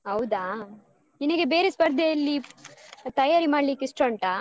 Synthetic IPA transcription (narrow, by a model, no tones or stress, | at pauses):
ɦɐwd̪aː | inɐɡebeːɾespɐɾd̪ʱeɐlːi | t̪ɐjaːɾimaːɽliːkisʈɾoɳʈaː